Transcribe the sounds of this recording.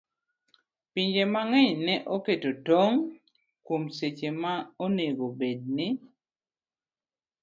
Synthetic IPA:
piɲd͡ʒemaŋɛɲnɛʔoketotoŋ | komset͡ʃemaoneɡobed̚nɪ

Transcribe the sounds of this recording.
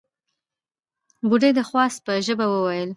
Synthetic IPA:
buɖed̪əxwɑst̪̚pəʒəbawəwajəl

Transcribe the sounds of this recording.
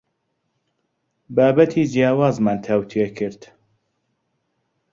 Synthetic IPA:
baːbɐt̪ʰiːzjaːwaːzmaːnt̪ʰɐwt̪ʰekʰɨɾd̪̥

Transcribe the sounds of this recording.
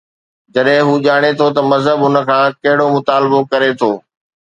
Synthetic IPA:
d͡ʑɐɗɦɪ̃ɦuːʄaːɽ̃et̪ʰot̪ɐmɐzɦəbʊnə̆kʰãːkɐɦɪɽomʊt̪aːlɪbokɐɾet̪ʰoː

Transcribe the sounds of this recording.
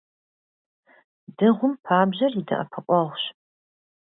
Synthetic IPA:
dɨʁʷʊmpʰaːbʑɐridʰɐ̰ʔɐ̰pʰɐqʷʼɔʁʷɕ

